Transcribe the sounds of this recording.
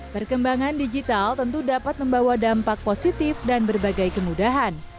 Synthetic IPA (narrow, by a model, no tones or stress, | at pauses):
pərkəmbaŋandid͡ʒit̪alt̪ənt̪udapat̪̚məmbawadampak̚posit̪ɪfdanbərbaɡajkəmudaɦan